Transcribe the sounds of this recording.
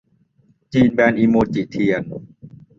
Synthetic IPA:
t͡ɕiː˧nbɛː˧nʔiː˧moː˧t͡ɕi˨˩t̪ʰi˧ən

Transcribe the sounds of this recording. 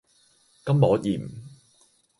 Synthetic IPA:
kɐ˥mmɔː˨˥t̚jiː˨˩m̩˨

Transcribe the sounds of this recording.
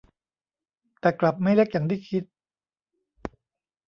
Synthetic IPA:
t̪ɛː˨˩kla˨˩p̚ma˥˩jle˦˥k̚jaː˨˩ŋt̪ʰiː˥˩kʰi˦˥t̪̚

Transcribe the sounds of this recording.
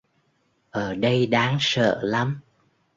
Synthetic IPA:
ʔəː˧˩ɗə˧jɗaː˨˦ŋsə̰ː˧˨la˨˦m

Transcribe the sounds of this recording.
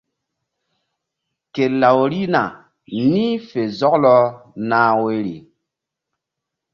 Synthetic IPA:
ke˨la˨wɾi˦na˨ | ni˦fe˨zɔ˦klɔ˦naː˦we˦ɾḭ˨

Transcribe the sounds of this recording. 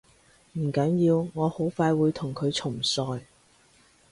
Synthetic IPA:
m̩˨˩kɐ˨˥njiː˧wŋɔː˨˧ho˨˥wfaː˧jwuː˨˧jt̪ʰʊ˨˩ŋkʰɵ˨˧ɥt͡sʰʊ˨˩ŋsɔː˧j

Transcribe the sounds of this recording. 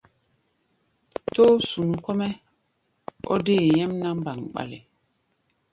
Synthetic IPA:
to˦su˨nu˨kɔ˦mɛ˦ | ɔ̰˦de˦˨jɛ˦mna˦m˦ba˨ŋɓa̰˨lḛ˨

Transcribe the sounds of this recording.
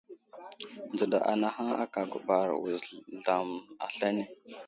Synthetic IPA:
nd͡zu˨da̰˨ʔa̰˨na˨ha˦a̰˦ka˨ɡu˨ba˨ɾwṵ˨zɮa˨ma̰˨ɬa˦ne˦

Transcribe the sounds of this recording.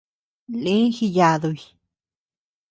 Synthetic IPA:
li˦xi˧ja˧˨d̪u˧˨j

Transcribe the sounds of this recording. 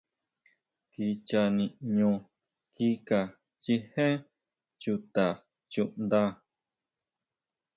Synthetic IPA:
ki˧t͡ʃa˧nĩ˧ʔɲõ˧ | ki˦ka˨ | t͡ʃi˧hẽ˦ | t͡ʃu˧t̪a˨ | t͡ʃũ˧ʔnd̪a˦

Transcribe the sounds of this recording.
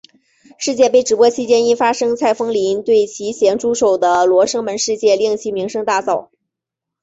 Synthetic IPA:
ʂɻ̩˥˧t͡ɕjɛ˥˧pe˥˩ɪʈ͡ʂɻ̩˨˩pwɔ˥t͡ɕʰi˥˩t͡ɕjɛ˥ni˥nfa˥ʂɤ˥ŋt͡sʰa˥˩ɪfɤ˥ŋli˧˥nt̪we˥˩ɪt͡ɕʰi˧˥ɕjɛ˧˥nʈ͡ʂu˥ʂo˨˩ʊd̪ə˦lwɔ˧˥ʂɤ˥ŋmə˧˥nʂɻ̩˥˧t͡ɕjɛ˥˧li˥˩ŋt͡ɕʰi˧˥mi˧˥ŋʂɤ˥ŋt̪a˥˧t͡sɑ˥˩ʊ

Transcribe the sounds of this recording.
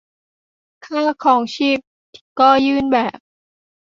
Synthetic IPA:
kʰaː˥˩kʰɔː˩˦ŋt͡ɕʰiː˦˥˩p̚ | t̪ʰi̥˧˩kɔː˥˩jɯː˥˩nbɛː˨˩p̚

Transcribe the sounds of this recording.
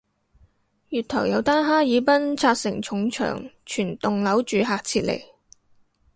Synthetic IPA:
jyː˨t̪ʰɔ̰˨˩wjɐ˨˧wt̪aː˥nɦaː˥jiː˨˧pɐ˥nt͡sʰaː˧k̚sɪ̰˨˩ŋt͡ʃʰʊ˨˧˥ŋt͡ʃʰœ̰ː˨˩ŋt͡ʃʰyː˨˩nt̪ʊ˨ŋlɐ˨˥wt͡ʃyː˨ɦaː˨˩k̚t͡sʰiː˧t̚lḛ˨˩j

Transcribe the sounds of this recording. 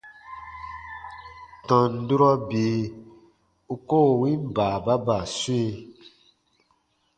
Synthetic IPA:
tɔ̃˨n̩˨du˦ɾɔ˦bi˨ | u˧ko˦˨wĩ˦m˦ba˨ba˦ba˨swi˦˧

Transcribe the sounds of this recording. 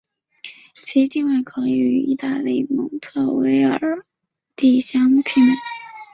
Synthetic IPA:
t͡ɕʰi˧˥t̪i˥˧ŋwa˥˩ɪkʰɤ˧˥i˧y˧˩y̰˧˥i˥˧t̪a˥˧li˥˩mɤ̰˧˥ŋt̪ʰɤ˥˩we˧˥ɪə˨˩˨ | t̪i˥˩ɕjɑ˥ŋpʰi˥˩n

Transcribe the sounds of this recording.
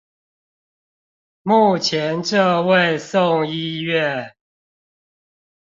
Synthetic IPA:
mu˥˨t͡ɕʰjɛ˨˦nʈ͡ʂɤ˥˧we˥˨ɪso˥˨ŋi˦ɥɛ˥˨

